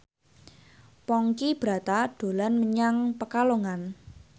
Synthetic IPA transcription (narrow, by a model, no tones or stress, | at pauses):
pɔŋkib̥ɾa̤t̪aɖ̥o̤lanməɲaŋpəkaloŋan